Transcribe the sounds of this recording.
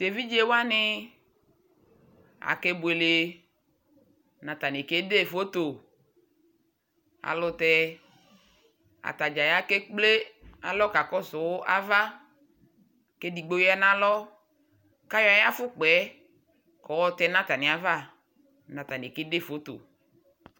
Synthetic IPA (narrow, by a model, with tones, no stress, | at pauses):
t̪e˨vi˦d͡ʒe˦wa˦nɪ˦ | a̰˨ke˦bʊ˨e˨le˨ | nã˨t̪a˨nɪ˨ke˦de˦˨fo˦t̪o˨ | a̰˨lʊ˨t̪ɛ˦ | a̰˨t̪a˨d͡ʒa˨ja˦ke˦k͡ple˦a̰˨lɔ˦ka˨kɔ˦sʊ˨wʊ˦ʔa˦va˦ | ke˦di˨ɡ͡bo˦ja˦nã˦lɔ˦ | ka˦jɔ˦a˦ja˦fʊ˦k͡pɛ˨˦ | kɔ˨wɔ˦t̪ɛ˦nã˦t̪a˨nĩ˨a˨va˦˨ | nã˨t̪a˨ni˨ke˦de˦˨fo˨˦t̪o̰˨